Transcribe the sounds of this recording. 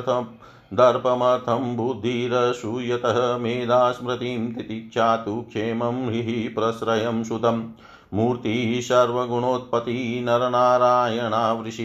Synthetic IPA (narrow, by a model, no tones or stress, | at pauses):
t̪ʰɐ | d̪ɐɾpɐmɐɾt̪ʰɐmbud̪ʱːiːɾɐʃujɐt̪ɐɦɐmeːd̪aːsmɾɐt̪iːmt̪it̪ikt͡ʃʰaːt̪ukʰʃeːmɐmɦiɦipɾɐsɾɐjɐmʃut̪ɐmː | uːɾt̪iʃɐɾʋɐɡuɳoːt̪̚pɐt̪inɐɾɐnaːɾaːjɐɳaːʋɾiʃi